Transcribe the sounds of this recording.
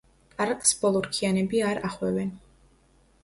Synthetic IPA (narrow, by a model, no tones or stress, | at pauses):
kʼaɾqʼsb̥ɔlˠɔɾkʰianɛbiaɾaχwɛvɛn